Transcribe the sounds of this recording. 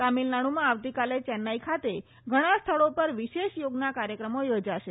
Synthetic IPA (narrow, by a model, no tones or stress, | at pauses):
t̪amilnaɽ̃umãaʋt̪ikalet͡ʃɛnːaikʰat̪e | ɡʱəɽ̃ast̪ʰəɭopəɾʋiʃeʃjoɡnakaɾjəkɾəmojod͡ʒaʃe